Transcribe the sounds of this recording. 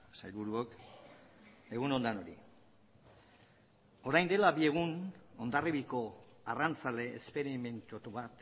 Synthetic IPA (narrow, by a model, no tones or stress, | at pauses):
sajlβuɾuok | e̞ɣuno̞nd̪ano̞ɾi | o̞ɾajnd̪e̞labie̞ɣ̞uno̞nd̪ariβiko̞arant͡sale̞ːspe̞ɾime̞nt̪ot̪uβat̪